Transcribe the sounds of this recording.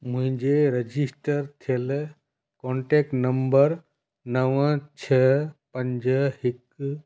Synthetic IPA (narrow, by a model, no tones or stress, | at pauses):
mũɦɪ̃d͡ʒeɾed͡ʒisʈəɾt̪ʰel | koɳʈek̚ʈnəmbəɾ | nəʋə̃t͡ʃʰɛpəɲd͡ʒəɦik